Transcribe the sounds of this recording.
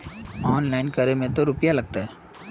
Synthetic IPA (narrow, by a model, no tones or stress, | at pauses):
ɔːnlaːɪnkɐɾemẽt̪oɾʊpjalɐɡ̚t̪aɦɛː